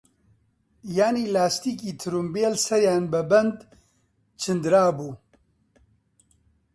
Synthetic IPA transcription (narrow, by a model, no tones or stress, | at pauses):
jaːniːlaːst̪iːkiːt̪ʰɨɾumbeːlsɐɾjaːnbɨbɛnd̪ | t͡ʃʰɨnd̪ɾaːbuː